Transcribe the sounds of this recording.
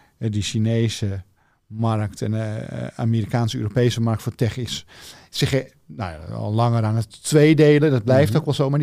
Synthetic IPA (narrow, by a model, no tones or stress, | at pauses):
ɛdiʃineːsə | mark̚tɛnəa̰miːɾikaːnsəø̰ːropejsəmark̚tfoːtɛxis | sɪx | noja̰ɔ̰llɑŋəranətʋeːdeːlədɔt̚blɛjftokʋɛlˠsoːma